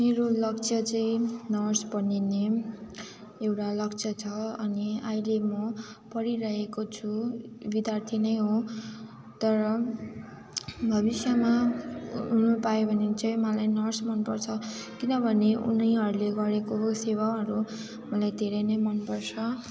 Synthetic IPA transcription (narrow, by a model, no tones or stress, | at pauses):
meɾolʌk̚t͡sʰʌt͡sʌĩnʌrsbʌnine | ewʈalʌkt͡sʰʌt͡sʰʌʌniailemʌpʌɾiɾʌɦekot͡sʰubid̪jart̪ʰinʌjɦo | t̪ʌɾʌ | bʱʌbisjʌma | ɦunupaobʱʌnet͡sʌĩmʌlajnʌrsmʌnpʌrt͡sʰʌ | kinʌbʱʌneʔṵnʌjɦʌɾuleɡʌɾekosewaʌɾu | mʌlajd̪ʱeɾʌjnʌjmʌnpʌrt͡sʰʌ